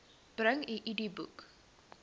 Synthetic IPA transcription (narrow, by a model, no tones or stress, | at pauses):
b̥ɾə̃ŋiʔidibuk